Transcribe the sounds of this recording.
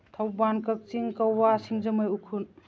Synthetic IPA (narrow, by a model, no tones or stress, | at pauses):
t̪ʰawbankɐk̚t͡ʃiŋkawasiŋzɐmɯjukʰun